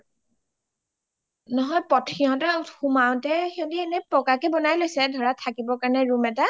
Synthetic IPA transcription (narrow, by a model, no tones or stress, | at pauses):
nɔɦɔjpɔtʰxiɦɔ̃tɛtxumaw̃tɛxɔdiɛnɛpɔkakɛbɔnajlojsɛdʱɔɹatʰakibɔkaɹnɛɹumɛta